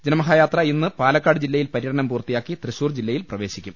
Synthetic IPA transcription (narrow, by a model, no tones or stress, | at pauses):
d͡ʑɐnɐmɐɦaːjaːt̪rɐinːɨpaːlɐkːaːɽɨd͡ʑilːɐjilpɐɾijɐɽɐɳɐmpuːrt̪ːijaːkːit̪rɨɕuːrd͡ʑilːɐjilprɐʋe̞ːɕikʲːum